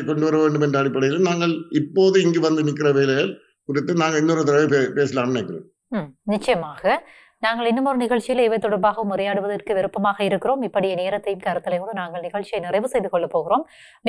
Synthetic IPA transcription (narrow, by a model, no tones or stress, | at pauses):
kɔɳɖɯʋɐɾɐʋeːɳɖɯmɛndrɐːɽɪpːɐɽɐjɪlɯmnaːŋɡɐɭɪpːoːðɯɪŋɡeʋɐnd̪ɯnɪk̬ːɪrɐʋeːlɐjɐl | kʊɾɪt̪ːɯnaːŋɡɐɭɪnːɔɾɐt̪ɐɾɐʋɐpeːsɪlaːmnekːɪrḛːm | nɪt͡ʃːɐjɐmaːɣɐ | naːŋɡɐɭɪnːɯmɔɾɯnɪɣɐɭt͡ʃɪjɪleʋɐɪt̪ːɔɽɐɾbaːɣɐʋɯmʊrɐjaːɽɯʋɐðɐrkɯʋɪɾɯpːɐmaːɣɐɪɾɯkːɪroːmɪpːɐɽɪjɐneːɾɐt̪ːɐjɯmkaːɾɐt̪ːɪlɐjmoðɯnaːŋɡɐɭnɪɣɐɭt͡ʃijɐɪnɪrɐɪʋɯsɛjðɯkɔɭːɐpːoːɣɪroːm